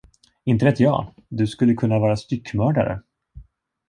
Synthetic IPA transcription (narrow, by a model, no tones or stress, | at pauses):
ɪnt̪əɾɛt̪ːjɑ̰ː | d̪ɵskɵlːəkʰɵnːavɑːɾast̪ʏkːmœːɖa̰ɾə̰